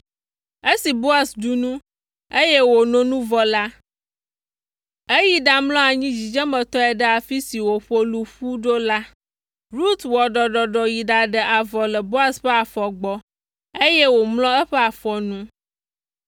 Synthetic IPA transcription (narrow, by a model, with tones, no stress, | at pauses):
e˦si˨bo˦a˦sɖu˨nũ˦ | e˦jɛ˦wo˨nõ˦nũ˦vɔ˨la˦ | e˦ji˨ɖa˨mlɔ̃˦a˨ɲĩ˦d͡ʑi˨d͡ʒɛ˦mə̃˨t̪ɔ˦ɛ˨ɖə˦a˨fi˦si˨wo˨ɸo˦lu˨ɸu˦ɖo˦la˦ | ɾu˦t̪wɔ˨ɖɔ˨ɖɔ˨ɖɔ˨ji˨ɖa˨ɖə˨ʔa˨vɔ˨lə˨bo˦a˦sɸə˦a˨fɔ˨ɡ͡bɔ˦ | e˦jɛ˦wo˨mlɔ̃˦ɛ˦ɸɛ˦a˨fɔ˨nũ˦